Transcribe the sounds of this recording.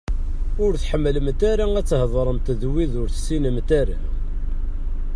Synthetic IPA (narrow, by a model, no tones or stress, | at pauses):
ʊɾθħəmːələmt̪æɾææt͡sːhðˤɾˤəmt̪ðwiðʊɾθsːinəmt̪æɾæ̰